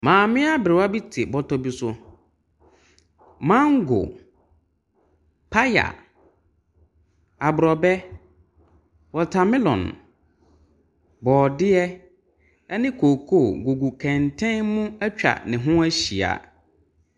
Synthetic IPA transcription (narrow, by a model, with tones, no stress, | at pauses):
mãː˨mɪ̃˦a˦bɾɪ˨wa˦bi˦tʰɪ˨bɔ˦tɔ˦bi˦sʊ˦ | mã˦ŋ˦ɡʊ̰˨ | pʰa˦ja̰˨ | a˨bʊ˨ɾɔ˨bɛ˦ | wɔ˨tʰa˨mɪ̃˦lɔ̰̃˨n | bɔː˨dɪ˦ɛ˦ | ɛ˦nɪ̃˦kʰoː˨kʰo˦˨ɡo˨ɡu˨kʰɛ̃˨ntʰɛ̃˦nmũ˦æ˦t͡ɕᶣa̰˨nɪ̃˨ɦʊ̃˦æ˦ɕi˨a̰˨